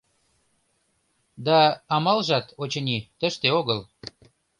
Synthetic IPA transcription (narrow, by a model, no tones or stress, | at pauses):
d̪ɑɑmɑlʒɑt̪ot͡ɕɤ̆nʲit̪ə̆ʃt̪eoɣəl